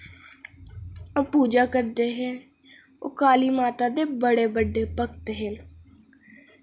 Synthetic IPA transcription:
əpuːd͡ʒaːkəɾd̪eːɦɛː | o̰kaːliːmaːt̪aːd̪eːbəɽeːbəɖːeːpəkt̪ɦɪn

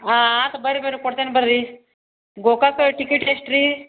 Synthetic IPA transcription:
aat̪ɐbəɾibəɾikoɽt̪enbəɾɾi | ɡokakʈikiʈesʈɾi

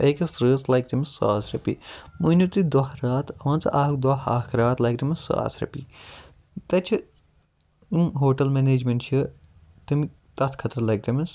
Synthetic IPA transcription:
eːkɐsɾɨːslɐjkt̪ɐmisa̰ːsɾɐpḭmuːnʲut̪ɨd̪ɐɦɾaːt̪ɐʋɐ̃ːnt͡sɐʔaːkd̪wɐa̰ːkʰɾaːt̪lɐjkt̪ɐmɐsa̰a̰ːsɾɐ̰pi | t̪ɐt͡ʃʰi | imɦoːʈɐlmeneːd͡ʒmɐɳʈt͡ʃʰɨ | t̪imi | t̪ɐt̪ʰkʰɐt̪ɐɾlɐjk̚t̪ɐmɐs

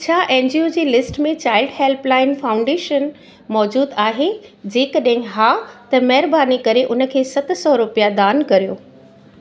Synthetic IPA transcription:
t͡ɕʰaːʔẽːnd͡ʑiod͡ʑiːlɪsʈmẽt͡ɕaːɪlɖheːlplaːɪnfaːʊ̃ɳɖeːʃən | mɔːd͡ʑuːd̪aːɦed͡ʑeːkəɗ̃ɦɪ̃ɦaːt̪ɐmɐɦɪɾbaːnikɐɾeʔʊnə̆kʰeːsɐt̪sɔɾʊpijad̪aːnkɐɾijoː

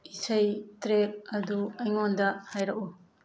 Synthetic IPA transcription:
isɐjtɾek̚ɐduɐjŋondɐhajɾɐk̚u

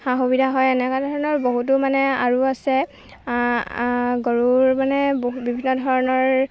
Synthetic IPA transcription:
xaɦobidʱaɦɔjɛnɛkadʱɔɹɔnɔɹboɦut̬ʊmanɛa̰ɹuasɛ | ɡɔɹuɹmanɛboɦbibʱinːɔdʱɔɹɔnɔɹ

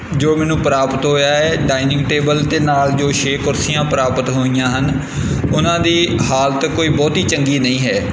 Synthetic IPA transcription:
d͡ʒoːmɛːnũːpəɾaːpət̪ɦoːjaːɦɛːɖaːɪnɪ̃ŋɡʈeːbəlt̪eːnaːld͡ʒoːʃeːkʊɾsɪjãːpəɾaːpət̪ɦoːijãːɦən | ʊnãːd̪iːhaːlt̪koːiːbɔːt̪iːt͡ʃəŋɡiːnəĩːɦɛː

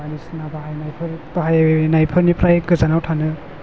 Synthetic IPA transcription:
anisnabaɦajnajpʰɯɾb̥aɦajaeenajpʰɯɾnipʰɾajɡɯzanawtʰanɯ

